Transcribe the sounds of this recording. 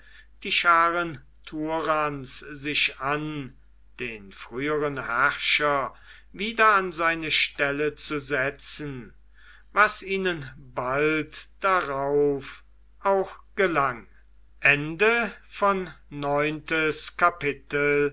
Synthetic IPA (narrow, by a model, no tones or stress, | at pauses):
d̥iːʃaːʁən | tʰuʁanszɪʃan | d̥eːnfʁ̥yːəʁənhæʁʃɐ | viːdɐanzaɪnəʃtɛlət͡suzɛt͡sn̩ | vasiːnənbaltd̥aʁaʊf | ʔaʊxɡ̥əlaŋ | ʔɛndəfɔnːɔʏntəskapɪtəl